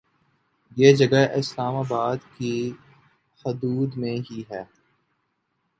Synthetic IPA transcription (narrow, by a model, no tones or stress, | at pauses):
jeːd͡ʒɐɡəɪslaːmaːbaːd̪ki | hʊd̪uːd̪mẽɦiɦɛː